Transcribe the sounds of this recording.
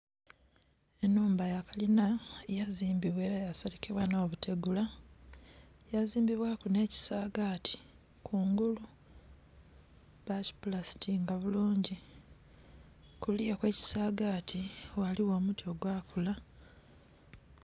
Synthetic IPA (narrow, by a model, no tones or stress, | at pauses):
enuːmbajakalinajaziːmbiβwe̞ːɾajasaɾikeβwano̞ːβutʰe̞ɡula | jaziːmbiβwakune̞ːci̥saːɡatʰi̥ | kʰuːŋɡulu | βaci̥pulasi̥tiŋɡaβuluːɲɟi | kulijekwe̞ːci̥saːɡaːtʰiwaliwo̞ːmutio̞ɡwaːkula